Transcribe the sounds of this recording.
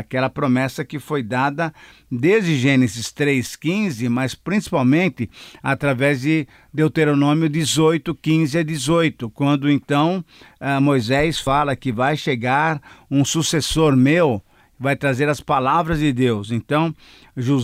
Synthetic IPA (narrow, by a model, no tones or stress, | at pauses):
akɛlɐpɾomɛsɐkɪfojd̪ad̪ɐ | d̪ezd̪ɪʒẽnɪzɪst̪ɾejskĩzɪmɐspɾĩsi̥pawmẽnt̪ɪat̪ɾavɛzd̪ɪ | d̪ewt̪eɾonõmjʊd̪ɪzojt̪ʊkĩzɪad̪ɪzojt̪ʊkwɐ̃nd̪ʊẽnt̪ɐ̃w̃ɛmojzɛsfalɐkɪvajʃeɡaɾũsusesoɾmew | ɪvajt̪ɾazeɾɐspalavɾɐzd̪ɪd̪ewsẽnt̪ɐ̃w̃ | ʒu